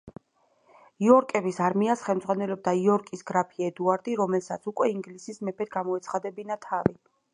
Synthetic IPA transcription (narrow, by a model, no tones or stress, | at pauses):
iɔɾkʼɛbisaɾmiasχɛlmd̪zʁwanɛlɔb̚d̪aiɔɾkʼisɡɾapʰiɛd̪uaɾd̪iɾɔmɛlˠsat̪sʰukʼwɛiŋɡlisismɛpʰɛt̪ɡamɔɛt̪sʰχad̪ɛbinat̪ʰavi